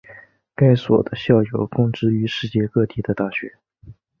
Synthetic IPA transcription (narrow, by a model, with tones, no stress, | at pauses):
ka˥ɪswɔ̰˨˩d̪ə˦ɕjɑ˥˩ʊjo˨˩ʊkʊ˥˧ŋʈ͡ʂɻ̩˥y˧˥ʂɻ̩˥˧t͡ɕjɛ˥˧kɤ˥˧t̪i˧˥d̪ə˧t̪a˥˩ɕɥɛ˧˥